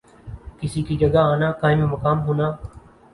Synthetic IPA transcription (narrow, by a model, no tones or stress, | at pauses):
kɪsiːkiːd͡ʒəɠaaːnaːkaːɪ̃miːməkaːmɦoːnaː